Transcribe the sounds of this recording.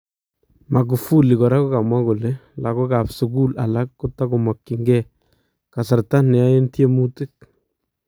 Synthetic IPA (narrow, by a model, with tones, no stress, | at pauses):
ma˨k̬u˨fu˦li˨kɔ˨ɾa˦ko˦ka˨mwa˦ko˨le˦la˨ko˦ka˨psu˨ku˦la˨la˦kːʊ˦ta˦ko˨mɔ˨kːi˨ŋɡɛ˦˨ | ka˨sa˨ɾta˦nɛ˨a˦je˦ntje˦mu˦ti˦k̚